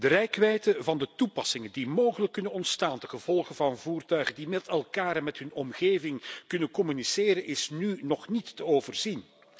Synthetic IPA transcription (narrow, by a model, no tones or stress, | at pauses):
d̥ərɛjkʋɛjtəvɑndətupɑsɪŋəndimoːwχələkːɵnənɔntstaːndəɣəv̥ɔlˠɣəvɑnvuːrtœɥɣəndimɛtɛlˠkaːɾɛnmɛtɦɵnɔmɣeːvɪŋkɵnənkɔmyniseːɾənʔɪsnynɔχnitːəoːvərz̥in